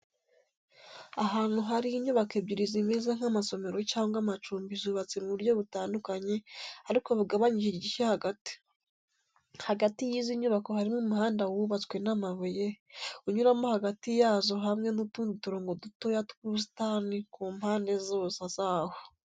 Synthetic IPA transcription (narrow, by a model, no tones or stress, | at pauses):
aɦaːn̥uɦaɾiiɲuβakebiɾizimeːzaŋ̥hamaso̞me̞ɾo̞t͡ʃaːŋɡamat͡ʃuːmbizuβat͡semuβuɾjo̞βutaːndukaɲe̞aɾiko̞βuɡaβaɲiʒiɟiʃahaɡati̥ | haɡatijiːziɲuβako̞haɾimumuhaːndawuβat͡swe̞namaβujeuɲuɾamo̞haɡatijaːzo̞ɦamŋe̞nutuːndituɾoːŋɡo̞duto̞jatu̥kus̬i̥tanikuːmhaːnde̞zosaz̥aːho